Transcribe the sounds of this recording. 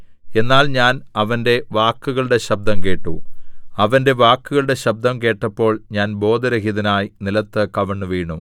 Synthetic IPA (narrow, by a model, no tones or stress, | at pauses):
e̞nːaːlɲaːnɐʋɐnde̞ʋaːkːuɣɐɭɨɽe̞ɕɐb̚d̪ɐmke̞ːʈːṵɐʋɐnde̞ʋaːkːuɣɐɭɨɽe̞ɕɐb̚d̪ɐmke̞ːʈːɐpːo̞ːɭɲaːnbo̞ːd̪ɐɾɐɦiðɐnaːjinilɐt̪ːɨkɐʋɐɳːuʋiːɳu